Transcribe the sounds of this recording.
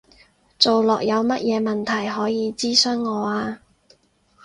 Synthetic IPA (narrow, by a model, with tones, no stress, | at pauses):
t͡so˨wlɔː˨k̚jɐ˨˧wmɐ˥t̚jɛː˨˧mɐ˨nt̪ʰɐ˨˩jɦɔː˨˥jiː˨˧t͡siː˥sœː˥ŋːɔː˨˧aː˧